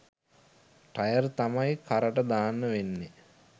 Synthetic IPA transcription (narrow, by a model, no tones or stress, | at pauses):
ʈɐjərt̪amajkʰaɾəʈəd̪aːnːəʋenːe